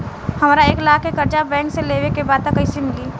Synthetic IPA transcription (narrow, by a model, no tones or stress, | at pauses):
hɐmːɾaeːklaːkekəɾd͡ʒabɛ̃ːkseleːʋekebaːd̪̚t̪akəɪsimɪliː